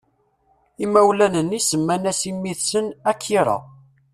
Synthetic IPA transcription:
imːæwlænənːisəmːænæsimːiθsənækʰːiɾˤɑ̰

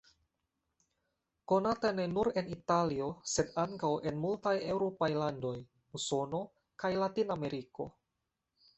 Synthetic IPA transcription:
ko̞natanenuɾenitalio̞sedaŋkawʔenmultaje̞wɾopajlando̞j | uso̞no̞ | kajlatinameɾiko̞̰

